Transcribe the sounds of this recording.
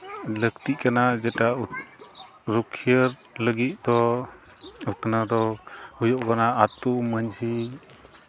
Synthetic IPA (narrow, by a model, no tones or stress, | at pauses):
ləkt̪it̚kanad͡ʒɛʈau | ɾukʰijəɾ | ləɡit̪̚d̪ɔ | ut̪nad̪ɔhujɔʔkanaːt̪uməɲsi